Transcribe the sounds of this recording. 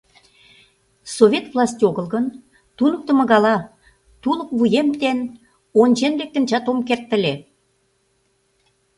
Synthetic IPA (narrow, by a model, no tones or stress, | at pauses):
sovʲet̪vlɑsʲt̪ʲoɣə̆lɣən | t̪unək̚t̪ə̆mə̆ɣɑlɑ | t̪ulə̆kβujemt̪en | onʲt͡ɕenlek̚t̪ə̆nt͡ɕɑt̪omkert̪ːə̆lʲe